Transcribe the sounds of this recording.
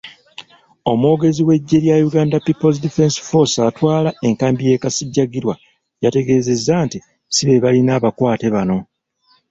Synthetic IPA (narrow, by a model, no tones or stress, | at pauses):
o̞mwo̞ːɡe̞ziwe̞ɟːe̞ɾjajuɡaːndapipoz̬dife̞nsfo̞satwaːlae̞ŋkaːmbije̞ːkasiɟːaɡiɾwa | jate̞ɡe̞ːze̞zːanti | siβe̞βalinaːβakwaːte̞βano̞